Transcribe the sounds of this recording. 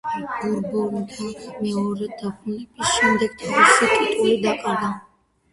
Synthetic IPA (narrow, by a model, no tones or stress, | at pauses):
ɡɔɾbɔɾnt̪ʰamɛɔɾɛd̪̥akʰunɛbisʃɛmd̪ɛɡ̚t̪ʰɔɾisɛk̪ʼit̪ʼulid̪aqʼaɾd̪a